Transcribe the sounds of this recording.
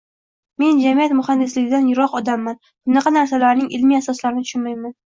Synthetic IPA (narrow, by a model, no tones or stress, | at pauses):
me̞nd͡ʒamijat̪mʊhand̪ɪslɪɡʲɪd̪anjʊɾɒqɒd̪amːan | b̥ʊnɑqʰɑnaɾsalaɾnɪŋʔɪlmiasɒslaɾɪnt̪ʰʊ̥ʃʊnmajman